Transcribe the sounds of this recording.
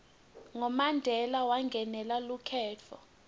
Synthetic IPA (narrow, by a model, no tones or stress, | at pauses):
ŋɔmandʱɛlawaŋɡʱɛnɛlalukʰɛːt͡fʰɔ̰